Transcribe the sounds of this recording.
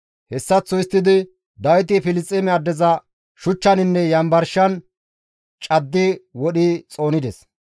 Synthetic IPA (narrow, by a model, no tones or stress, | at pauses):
hɛsːɐt͡sːɔjɪst̪ːɪd̪ɪ | d̪ɐwɪt̪̬ɪfɪlɪst͡sʼːɛmɛad̪ɛzɐ | ʃʊt͡ʃːɐnɪnːɛjɐmbɐɾʃɐn | t͡ʃʼɐd̪ːɪwɔɗɪt͡sʼo̞ːnɪd̪ɛs